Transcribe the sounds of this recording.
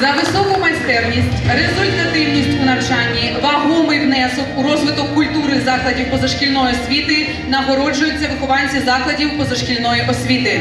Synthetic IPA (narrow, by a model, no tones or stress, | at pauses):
zɐʋɪsɔkʊmɐjʲst̪ɛrnʲisʲtʲɾezʊlʲt̪ɐt̪ɪwnʲisʲtʲunɐwt͡ʃɑnʲːi | ʋɐɦɔmɪjwnɛsɔkuɾɔzʋɪt̪ɔkːʊlʲt̪uɾɪzɑklˠɐdʲiwpɔzɐʃkʲilʲnɔjiɔsʲʋʲit̪ɪ | nɐɦɔɾɔd͡ʒʊjʊt͡sʲːɐʋɪxʊʋɑnʲt͡sʲːɐzɑklˠɐdʲiwpɔzɐʃkʲilʲnɔjiʔɔsʲʋʲit̪ɪ